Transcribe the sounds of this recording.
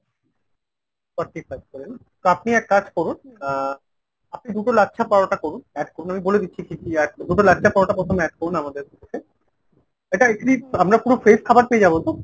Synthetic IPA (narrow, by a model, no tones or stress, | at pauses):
fɔɾʈifajkɔɾen | t̪oapniɛkːad͡ʑkɔɾun | ap̚nid̪uʈolatːʃʰapaɾoʈakɔɾunɛɖkoɾunamiboled̪itːɕʰikikiaɾd̪uʈolatːʃʰapaɾoʈapɾot̪ʰomɛʈ̚koɾunamad̪eɾeketʰe | eʈaekʈiamɾapuɾofeskʰabaɾpeed͡ʑabolt̪o